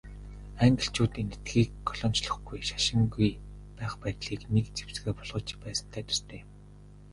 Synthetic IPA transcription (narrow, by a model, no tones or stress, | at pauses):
aŋɡə̆ɬt͡ɕuːt̪ent̪ɘ̥̆t̪ɡiːkːɔɮɔːn̥t͡ɕɮə̆χɡujʃḁʃɪ̆ŋɡuj | pæːχpæːt̪ɮiːknekt͡se̥w̥sɡeːpɔɮʁɞ̆ɮt͡ɕɪ̥pæːsə̥̆n̥t̪ʰæːt̪ɵ̥st̪ʰeːm